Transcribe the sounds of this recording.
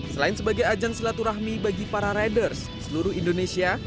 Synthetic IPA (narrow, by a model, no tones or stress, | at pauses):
səlaɪnsəbaɡajad͡ʒansəlat̪uɾaɦmibaɡipaɾaɾadərsdisəluɾʊhindonesia